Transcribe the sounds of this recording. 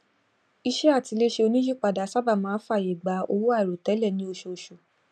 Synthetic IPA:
i˧ʃɛ˦a˦˨ti˨˧le˦ʃe˧o˧nĩ˦d͡ʒi˦˨k͡pa˨da˨˦sa˦ba˦˨mãː˨˦fa˦˨je˨ɡ͡ba˨˦o˧wu˦a˦˨ɾo˨tɛ˨˦lɛ˦˨nĩ˨˦o˧ʃo˨˧ʃo˨

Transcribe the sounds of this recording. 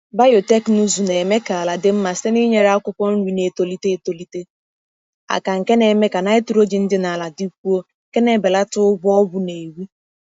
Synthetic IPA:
ba˦jo˨te˦knu˦zu˨ne˨me˦ka˨a˨la˨dɪ˦m̩˦ma˨se˦ni˦ɲe˦ɾa˦kʷʊ˦kɔ˦n̩˦wi˨ne˨to˨li˦te˦e˨to˨li˦te˦ | a̰˨ka˨ŋ̩˨ke˦ne˨me˦ka˨na˦e˦tu˨ɾo˦d͡ʒi˨n̩˦dɪ˦na˨a˨la˨di˦k̚ʷu˦o˦ŋ˨ke˦ne˦˨be˨la˦tʊ˦ʊ˦bʊ˦ɔ˦bʊ˦ne˨e˨wi˦

